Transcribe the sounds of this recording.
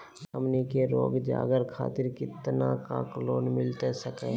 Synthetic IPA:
səmnikeɾoːɡd͡ʒa̰ːɡəɾkʰa̰ːt̪ɪɾkɪt̪naka̰kloːnmɪlt̪esəkḛː

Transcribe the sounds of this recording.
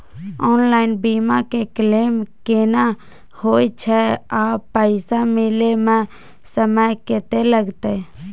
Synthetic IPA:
ɔːnlaːɪnbimakekleːmkeːna | hoːt͡ʃʰɛaːpəɪsamɪlemẽ | səməjket̪eləɡt̪e

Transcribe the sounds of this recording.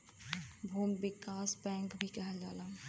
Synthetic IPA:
bʱuːmbɪkaːsbɛ̃ːŋkbʱikɛɦɛld͡ʒa̰ːlaː

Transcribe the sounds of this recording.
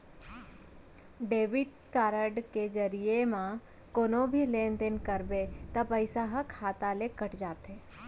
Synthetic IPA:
ɖeːʋɪʈ | kaːɾəɖked͡ʒəɾijemã | koːnobʱileːnt̪enkəɾbet̪ɐpəɪsaɦəkʰaːt̪alekəʈd͡ʒaːt̪e

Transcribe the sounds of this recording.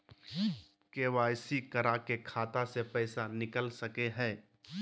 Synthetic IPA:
keːʋaːjsikəɾakekʰaːt̪asepɛːsanɪkəlsəkeɦɛ̃ː

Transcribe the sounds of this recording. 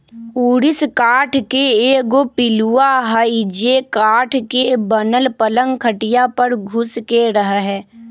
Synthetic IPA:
uːɾɪskaːʈʰkeeːɡopɪluaɦaid͡ʒeːkaːʈʰkebənəlpələ̃ŋɡkʰəʈijapəɾɡʱʊskeɾəɦɦɛː

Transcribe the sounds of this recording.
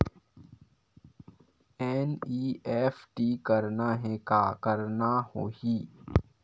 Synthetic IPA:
ɛːniːeːfʈiːkɐɾnaɦɛkaːkɐɾnahoːiː

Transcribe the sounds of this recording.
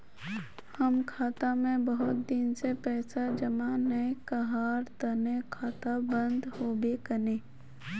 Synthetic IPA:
həmkʰaːt̪amẽbəɦʊt̪̚d̪ɪnsepɛːsad͡ʒəmanəekəɦaːɾt̪ənẽkʰaːt̪abə̃nd̪hoːbekəneː

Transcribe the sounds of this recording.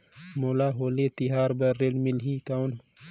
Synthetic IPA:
moːlaːɦoːlet̪iɦaːɾbɐːelmɪlɦiːkawn

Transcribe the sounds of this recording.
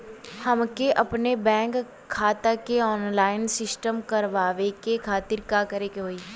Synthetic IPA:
hɐmkeʔɐpnebɛ̃ːŋkʰː | aːt̪akeɔːnlaːɪnsɪsʈəmkɐɾʋaːʋekekʰaːt̪ɪɾkaːkɐɾekeɦoːiː

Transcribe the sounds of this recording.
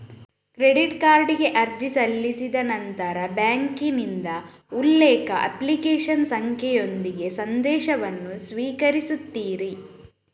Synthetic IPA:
kɾeɖiʈkaːɾɖiɡe̞ʔɐɾd͡ʒisɐlːisid̪ɐnɐnt̪ɐɾɐbjaːŋkinind̪ɐ | ulːɛːkɐʔɐ̰plikeːʃɐnsɐŋkʰjɛjo̞nd̪iɡe̞sɐnd̪ɛːʃɐʋɐnːusʋiːkɐɾisut̪ːiːɾi

